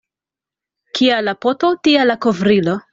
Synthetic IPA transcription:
kʰialapototialakovɾilo

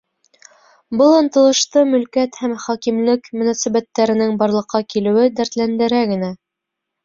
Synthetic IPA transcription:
bɤlˠŏnt̪ɤ̆lˠɤ̆ʃt̪ɤmɵ̆lkæt̪hæmχɒkimlɘkmɵ̆nɑsæβæt̪ːæɾɘ̆nɘŋbɑɾlˠɤ̆qʰːɑkilɘ̆wɘd̪æɾt̪lænd̪ɘ̆ɾæɡɘ̆næ

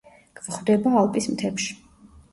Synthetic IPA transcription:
ɡ̥vχvd̪ɛbaːlˠpʼismt̪ʰɛpʃi̥

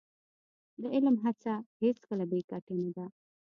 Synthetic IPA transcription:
d̪əɪlmɦat͡saheskəlabekaʈenad̪a

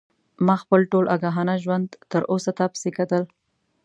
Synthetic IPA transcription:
mɑxpəlʈolʔaɡaɦanaʒwand̪t̪əɾʔosat̪apsikat̪əl

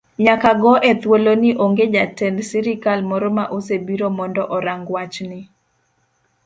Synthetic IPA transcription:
ɲakaɡɔʔet̪wolonɪʔoŋɡed͡ʒatɛndsiɾɪkalmɔɾɔmaʔos̬ebiɾomɔndɔʔɔɾaŋɡwat͡ʃnɪ

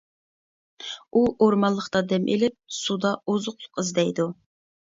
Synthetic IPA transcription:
uʔoɾmɑlˠːəχt̪ɑd̪ɛmʔḛlɪp̚sud̪ɑozʊqlˠʊ̥qɨzd̪ɛjd̪u

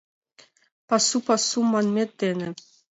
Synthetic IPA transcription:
pɑsupɑsumːɑnmʲet̪ːenʲɘ̆

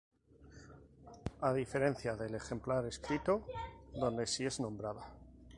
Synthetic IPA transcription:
aðife̞ɾe̞n̟θjaðe̞le̞xe̞mplaɾe̞skɾit̪oðo̞nd̪e̞sie̞znõ̞mbɾaða

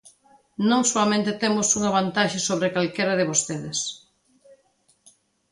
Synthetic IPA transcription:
nõŋsoamẽnt̪ɪt̪emʊsuŋaβant̪aʃɐsoβɾɪkalkeɾɐðɪβost̪eðɪs

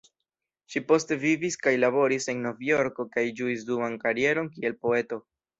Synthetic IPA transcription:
ʃipo̞ste̞viviskajlaβo̞ɾise̞ŋno̞vjo̞ɾko̞kajd͡ʒuis̬dumankaɾie̞ɾo̞nkie̞lpo̞e̞to̞

